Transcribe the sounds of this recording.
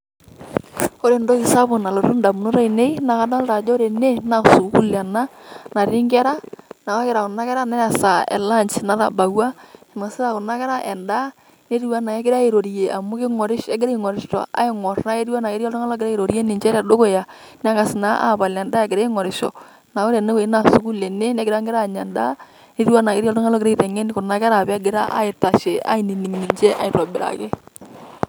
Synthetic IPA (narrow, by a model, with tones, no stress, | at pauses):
o˦ɾe˨ndo˦kɪ˨sa˦bʊ˨na˨lo˨ɾʊ˦nda˨mu˨no˦ɾa˦i˨ne˦i˦na˨ka˦da˦lta˨d͡ʒo˦ɾe˨ne˦na˨su˨ku˦la˨na˦na˨ɾɪ˦ŋɡɛ˦ɾa˦na˨a˦kɪ˨ɾa˨kʊ˨na˦kɛ˦ɾa˦nɛ˦ɾa˨sa˨ɛ̰˨la˦˨nt͡ʃna˦ða̰˨ba˨wa˦ɪ˨ma˨sɪ˦ɾa˨kʊ˨na˦kɛ˦ɾa˦ʔɛ˨nda˦ | ne˦ɾi˦wa˦na˨ɛ˦kɪ˦ɾa˦e˨ɾo˨ɾi˨je˨ʔa˨mʊ˦kɪ˦ŋɔ˨ɾɪ˦ʃɛ˦ɡɪ˦ɾe˦i˦ŋɔ˨ɾɪ˨˦ʃtɔ̰˨a̰˦ɪ˦ŋɔ˨rna˦e˦ɾwa˦na˨ke˦ɾjɔ˦tʊ˦ŋa˦lɔ˦kɪ˦ɾa˦e˨ɾo˨ɾe˦nɪ˨ɲd͡ʒɛ˦ɾɛ˨do˦ko˦˨ja˨ | na˦ka˨sɪ˨na˦ʔa̰˦˨ba˨lɛ˨nda˦ɛ˨ɡɪ˨ɾe˦ŋɔ˨ɾɪ˨ʃɔ̰˨ | na˨o˦ɾɛ˨ne˦we˨˦na˨su˦ku˦le˨ne˦nɛ˦kɪɾa˦ŋɡɪ˦ɾa˦˨ɲɛ˨nda̰˦ | ne˦ɾi˦wa˦na˨kɪ˦ɾjɔ˦ltʊ˦ŋa˦lɔ˦kɪ˨ɾe˦i˦tɛ˨ŋe˦nɪ˦kʊ˨na˦kɛ˦ɾa˨pɛ˦ɡɪ˦ɾa˦ʔa̰˦ɪ˨ta˨ʃe˨a̰˦ɪ˨ni˨ni˨ŋni˨ɲd͡ʒɛ˦ʔa̰˨ɪ˨tɔ˨bɪ˨ɾa̰˨kɪ˦